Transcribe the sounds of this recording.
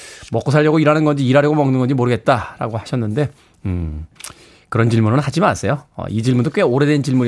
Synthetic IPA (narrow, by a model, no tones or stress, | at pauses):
mʌk͈osʰaɭːʌɡoiɾanɯnɡʌnd͡ʑiːɾaɾjʌɡomʌŋnɯnɡʌnɲd͡ʑimoɾɯɡe̞t̚t͈aɾa̰ɡohaɕʰʌnːɯnde̞ | ɯ | kɯɾʌnt͡ɕiɭmuɾonɯnɦad͡ʑimas͈ʰʌjoʌ̰id͡ʑiɭmundok͈weoɾe̞dent͡ɕiɭmuɾi